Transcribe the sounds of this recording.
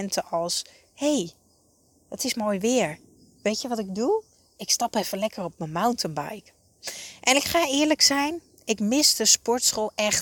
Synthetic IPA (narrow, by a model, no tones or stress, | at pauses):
ɛntʰəɔlˠs | hej | dɔtɪsmoːjʋɪːɹ | ʋejtjəʋɑtɪɡ̚du | ɪkstɑpɛfənlɛkərɔp̚məmawntənba̰jk | ʔɛnɪkχaːɪːɹləksɛjn | ɪkmɪsdəspɔɹtsχolˠɛχt